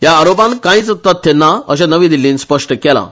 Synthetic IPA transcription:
jaːɾopãnkãĩt͡sət̪ːat̪ːɛnːaəɕãnəʋĩd̪ilːiːnspəʂʈəkɛla̰

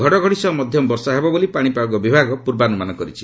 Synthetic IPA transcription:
ɡʱɔɽɔɡʱɔɽisɔmɔd̪ʱjɔbɔɾsɔɦebɔbolipaɽ̃ipaɔɡɔbibʱaɡɔpuɾbanumanɔkɔɾit͡ʃʰi̥

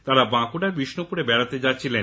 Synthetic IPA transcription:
t̪aɾabãkuɖaɾbiʃnopuɾebɛɽat̪ed͡ʑatːɕʰilen

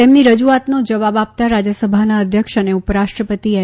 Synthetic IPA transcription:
emniɾəd͡ʒuat̪nod͡ʒəʋabap̚t̪aɾad͡ʒəsəbʱanaəd̪ʱjəkʃəneupəɾaʃʈɾəpət̪ie

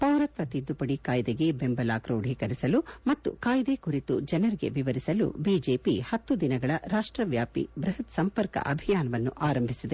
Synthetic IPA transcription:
pɐwɾɐt̪ʋɐt̪id̪ːupɐɽikaːjd̪eɡe̞be̞mbɐlaːkɾoːɖʱikɐɾisɐlumɐt̪ːṵkaːjd̪e̞kuɾit̪ud͡ʒɐnɐɾiɡe̞̰ʋiʋɐɾisɐlṵbiːd͡ʒe̞ːpihɐt̪ːud̪inɐɡɐɭɐɾaːʂʈɾɐʋjaːpḭbɾɐɦɐt̪sɐmpɐɾkɐ̰ʔɐbʱijaːnɐʋɐnːuʔaːɾɐmbʱisid̪e

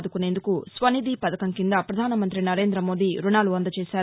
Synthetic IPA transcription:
d̪ukune̞ːnd̪ukusʋɐnid̪iːpɐd̪ɐkɐŋkind̪ɐpɾɐd̪ʱaːnɐmɐnt̪ɾinɐɾeːnd̪ɾɐmoːd̪iɾunaːluɐnd̪ɐt͡ʃeːsaːɾ

